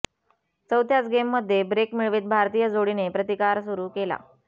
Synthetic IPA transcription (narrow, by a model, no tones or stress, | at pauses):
t͡səwt̪ʰjat͡sɡemːəd̪ʱːjebɾekmiɭʋiːt̪̚bʱaɾt̪iːjəd͡zoɽinepɾət̪ikaɾsuɾuːkela̰